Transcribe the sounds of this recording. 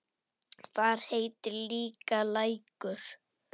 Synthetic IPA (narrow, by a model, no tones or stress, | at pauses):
θaɾ̥heːjt̪ɪɾliːkalaːjkʏɾ̥